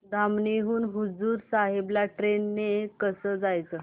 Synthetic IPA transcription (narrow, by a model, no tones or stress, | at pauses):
d̪ʱamneɦuːnɦud͡zuːɾsaɦeblaʈɾenːekəsəːd͡zajt͡səː